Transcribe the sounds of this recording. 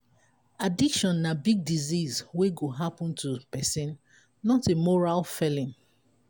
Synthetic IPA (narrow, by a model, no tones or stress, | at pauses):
adikʃɔ̃nːabiɡ̚dizizweɡoɦapɔ̃ntʰupɛsĩnː | ɔtemɔɹalfɛlĩm